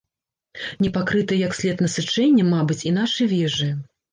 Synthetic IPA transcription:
nʲɛpakɾɨt̪ɨjɐksʲlʲɛt̪nɐsɨt͡ʂɛnʲːɛmabɨt͡sʲinaʂɨjvʲɛʐɨ

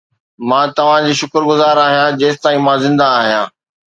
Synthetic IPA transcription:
mãːt̪ɐʋ̤ãd͡ʑiːʃʊkəɾɡʊzaːɾaːɦijãd͡ʑeːst̪aːĩmãzɪ̃nd̪aːɦijã̰ː

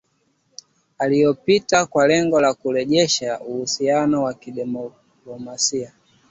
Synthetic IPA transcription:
alijɔpitakwalɛŋɡɔlakulɛʄɛʃauhusianɔwakiɗɛmɔ | ɔmasia

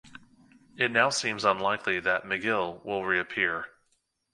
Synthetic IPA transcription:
ɨtⁿnaʊsĩmzə̃nlaɪkʰliðɨt̚mɨɡɪlˠwɪlˠɹiɨpʰɪɹ

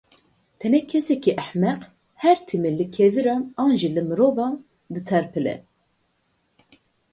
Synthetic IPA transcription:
t̪ʰɛnɛkʰɛsɛkiʔæħmɛq | hɛɾt̪ʰimelɨkʰeviɾɑːnɑːnʒilɨmɨɾoːvɑːn | d̪ɨt̪ʰɛɾpʰɨlɛ̰

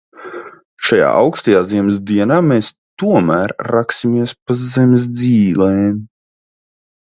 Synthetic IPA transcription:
ʃaja̰ːʔawkst̪ajaːziɛmz̬d̪iɛnaːmeːs | t̪uɔmæːɾːaksʲimiɛspazzɛms̬d̪ziːlɛːm

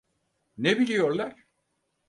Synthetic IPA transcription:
nebilʲijo̞ɾlˠaɾ̥

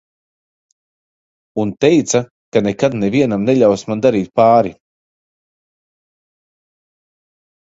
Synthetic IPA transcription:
unt̪ɛjt̪sa | kanɛkad̪nɛviɛnamnɛʎʲawsmand̪aɾiːt̪̚paːɾi

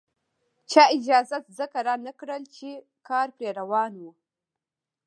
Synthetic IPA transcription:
t͡ʃɑɪd͡ʒɑzat̪zəkaɾɑnakɽəlt͡ʃe | kɑɾpɾeɾawɑnwu

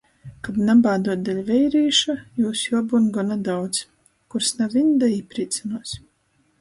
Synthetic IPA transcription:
kabnabaːd̪uɔt̪̚d̪alʲvʲɛjɾiːʃajuːsjuɔbunɡɔnad̪awt̪s | kuɾsnavʲind̪aiːpɾiːt̪sanuɔs

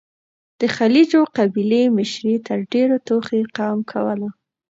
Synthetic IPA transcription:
d̪̥əxalid͡ʒoqabilemɪʃɾit̪əɾɖeɾot̪oxeqɑmkʰawəla

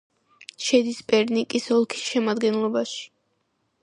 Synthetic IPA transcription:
ʃɛd̪ispʼɛɾnikʼisɔlˠkʰi̥sʃɛmad̪ɡɛnlˠɔbaʃi̥

